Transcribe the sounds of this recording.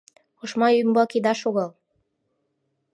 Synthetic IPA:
uʃmɑymbɑkid̪ɑʃoɣəlˠ

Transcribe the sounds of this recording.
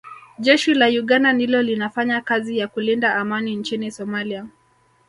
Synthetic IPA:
ʄɛʃilajuɠandandilɔlinafaɲakazijakulindaːmanint͡ʃinisɔmalia

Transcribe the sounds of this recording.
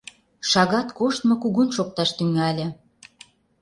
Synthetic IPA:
ʃɑɣɑt̪koʃt̪mŏkuɣunʃok̚t̪ɑʃt̪yŋælʲĕ

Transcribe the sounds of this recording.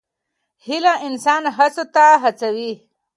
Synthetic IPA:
hilãʔinsaːnɦat͡sot̪aɦat͡sawi

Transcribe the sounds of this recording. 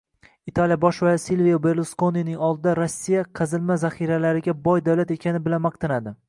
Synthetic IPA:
it̪ʰalijabɒʃvasilvijabe̞ɾlˠoskonijnɪŋɒlˠd̪ɪd̪aɾosːijaqʰɑzɪlmazaχiɾalaɾɪɡʲabɒjd̪awlat̪e̞kʲanɪbɪlanmɑq̚t̪ʰanad̪ɪ

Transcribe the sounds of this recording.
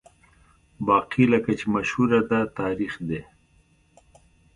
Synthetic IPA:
bɑːqiləkat͡ʃemaʃhuɾad̪at̪ɑːɾixd̪e

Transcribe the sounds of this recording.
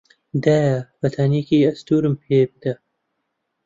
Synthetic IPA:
d̪ajabɐt̪ʰaːniːkiːɐst̪uːɾmpʰeːp̚d̪ɐ

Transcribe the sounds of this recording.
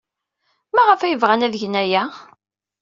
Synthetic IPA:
mæʁəfæjəvʁænæðʝənæjæ

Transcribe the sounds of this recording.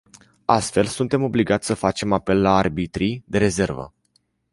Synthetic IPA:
ast̪fe̞lsunt̪e̞mo̞bliɡat̪sʲsəfat͡ʃe̞mape̞lːaːrbit̪ɾid̪e̞ɾe̞ze̞rvə̰

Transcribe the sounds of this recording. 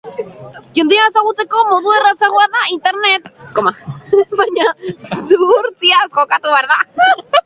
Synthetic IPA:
ʝend̪iaesaɣut͡sekomoðuðerat͡saɣwaðaint̪eɾnet̪komaβaɲasuɣuɾt͡siasxokat̪uβeɾða

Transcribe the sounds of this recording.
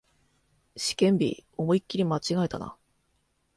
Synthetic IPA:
ɕi̥kẽ̞mbʲḭo̞moikʲːiɾʲimat͡ɕiɡaet̪a̰na̰

